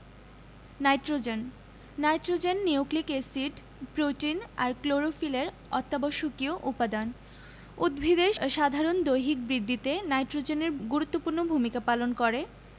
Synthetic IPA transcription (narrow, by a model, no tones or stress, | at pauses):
najʈɾod͡ʑenː | ajʈɾod͡ʑenːioklikesiɖ | pɾoʈina̰ɾkloɾofileɾ | ɔt̪ːaboʃokioʔupad̪an | ud̪̚bʱid̪eɾʃad̪ʱaɾond̪ojɦik̚bɾid̪ʱːit̪enajʈɾod͡ʑeneɾɡuɾut̪ːopuɾnobʱumikapalonkoɾe